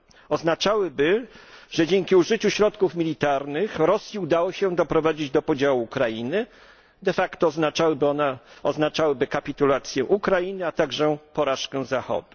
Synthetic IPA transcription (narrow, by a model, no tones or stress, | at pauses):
ɔznat͡ʂawɘbɘʐ̥ɛd͡ʑeŋkʲiuʐɘt͡ɕuɕɾɔt̪kufmʲilʲit̪aɾnɘxɾɔsʲjiud̪awɔɕɛ̃d̪ɔpɾɔvad͡ʑid͡ʑd̪ɔpɔd͡ʑawuːkɾajinɘ | d̪ɛfakt̪ɔːznat͡ʂawnɛɔznat͡ʂawɘbɘkapʲit̪ulat̪sʲjɛʔukɾajinɘat̪aɡʐɛpɔɾaʂkɛ̃zaxɔ̰d̪u